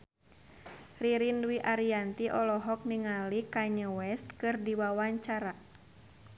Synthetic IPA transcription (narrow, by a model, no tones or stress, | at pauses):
riɾinwiʔaɾiant̪iʔɔlɔɦɔk̚niŋalikaɲəwɛst̪̚kɨrdiwawaɲt͡ʃaɾa